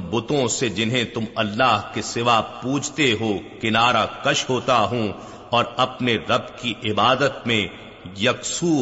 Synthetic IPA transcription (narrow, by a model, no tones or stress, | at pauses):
bʊt̪õsed͡ʒɪnɦẽt̪ʊmɐlːaːɦkesɪʋaːpuːt͡ʃʰt̪eɦokɪnaːɾakɐʃɦoːt̪aɦũ | ɔːɾɐpneɾɐbkiʔɪbaːd̪ət̪mẽ | jɐksuː